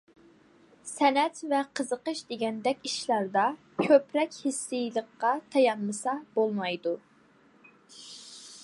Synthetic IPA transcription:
sɛnɛt̪vɛqʰəzəqəʃd̪eɡʲɛnd̪ɛkʲiʃlˠɑɾd̪ɑ | kʲʰøpɾɛkʲhisːɨjlˠəqːɑt̪ʰɑjɑnmɨsɑbolˠmɑjd̪u

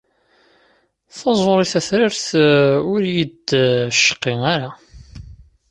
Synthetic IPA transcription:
θɑzˤoɾˤiθæθɾɪɾθʊɾjid̪ʃːə̥qːiaɾa

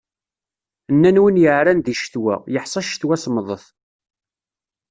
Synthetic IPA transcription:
nːænwənjəʕɾænðiʃθwæ̰jəħsˤɑʃθwæsməðˤəθ

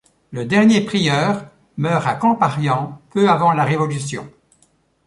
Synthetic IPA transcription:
ləd̪ɛʁnjepχijœːʁ | mœːʁakɔ̃paʁjɑ̃pøavɑ̃laʁevɔlysjɔ̰̃

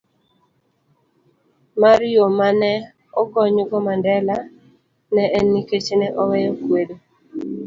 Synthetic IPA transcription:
maɾjomanɛ | ɔkɔɲʊɡɔmandɛla | nɛʔɛnːiket͡ʃenɛʔɔwɛjɔkwedo

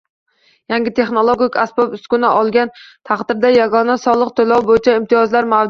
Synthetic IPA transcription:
jaŋɡʲɪt̪ʰe̞χno̞lˠoɡʲikʲasbɒpʊst̪kʲʊnɪʔɒlˠɡʲant̪ʰɑχd̪ɪɾd̪ajaɡɒnasɒlˠɨqt̪ʰolɒwbojɪt͡ʃʰaɪmt̪ʰɪjɒzlaɾmaw

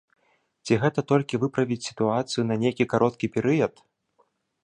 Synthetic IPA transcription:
t͡sʲiɣɛt̪ɐt̪ɔlʲkʲivɨpɾɐvʲit͡sʲsʲi̥t̪uat̪sɨjunɐnʲejkʲikaɾʔɔt̪̚kʲipʲɛɾɨjɐt̪

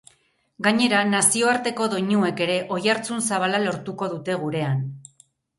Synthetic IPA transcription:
ɡaɲe̞ɾanasio̞aɾt̪e̞ko̞ðo̞ɲue̞ke̞ɾe̞ʔo̞jaɾt͡sunsaβ̞alalo̞ɾt̪uko̞ðut̪e̞ɣ̞uɾe̞an

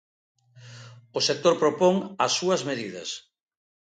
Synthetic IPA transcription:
ʊsek̚t̪oɾpɾopoŋɐsːuɐzmeðiðɐ̰s

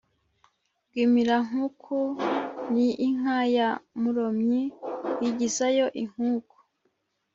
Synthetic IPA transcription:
b̚ɡiːmiɾaŋ̥ukʰuniʔːŋ̥ajamuɾomɲijiɟisajo̞ʔiŋ̥huːku̥

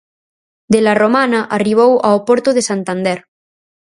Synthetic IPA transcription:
d̪elaromanaʔariβ̞owaopoɾt̪oðesant̪and̪eɾ

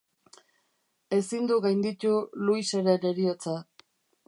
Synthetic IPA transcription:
e̞sind̪uɣajnd̪it̪uluise̞ɾe̞ɾe̞ɾiot͡sa

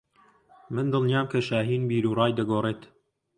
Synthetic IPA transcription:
mɨnd̪ɨlˠnjaːmkʰɐʃaːɦiːnbiːɾuːrɑːjd̪ɐɡoːreːt̪

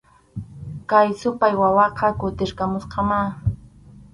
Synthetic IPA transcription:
kajsʊpajwawɑqʰɑkʊt̪ɪɾkamʊsqɑma

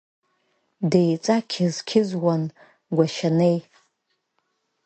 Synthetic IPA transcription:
dejt͡sʼakʲʰɪzkʲʰɪzwan | ɡʷaʃanej

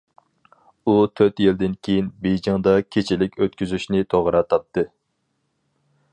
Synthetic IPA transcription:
ut̪ʰøt̪jild̪ɪnkʲʰejinbejd͡ʒɑŋd̪ɑkʲʰet͡ʃʰilɪkʲøt̪̚kʲyzyʃnɪt̪ʰoʁɾɑt̪ʰɑp̚t̪ʰɨ

